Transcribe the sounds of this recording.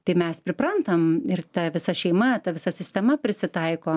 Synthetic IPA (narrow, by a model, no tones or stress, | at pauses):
t̪ɐɪmʲɛspʲɾʲɪpɾɐnt̪ɐmɪrt̪ɐʋʲɪsɐʃʲɛɪmɐt̪ɐʋʲɪsɐsʲɪsʲt̪ʲɛmɐpʲɾʲɪsʲɪt̪ɐɪkoː